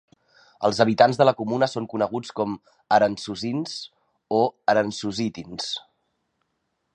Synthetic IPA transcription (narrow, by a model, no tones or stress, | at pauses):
ə̰lˠzəβit̪anzðələkumunəsoŋkunəɣut͡skɔm | əɾənsuzins | oəɾənsuzit̪ins